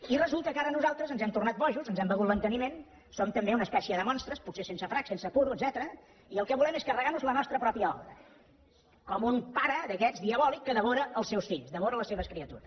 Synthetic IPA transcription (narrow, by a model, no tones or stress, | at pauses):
irəzulˠt̪əkaɾənuzalˠt̪ɾəzənzɛmt̪urnat̪̚bɔʒuzənzɛmbəɣut̪lənt̪ənimen | somt̪əmbeunəspɛsjiəðəmɔnst̪ɾəsput̪sesensəfɾaksensəpuɾuəd̪zɛt̪əɾə | iəlˠkɛβulɛmeskərəɣanuzlənɔst̪ɾəpɾɔpiəɔ̰βɾə | kɔmunpaɾəðəkɛzðiəβɔlikːəðəβoɾəəlˠsɛwsfiʎzd̪əmoɾələseβəskɾiət̪uɾəs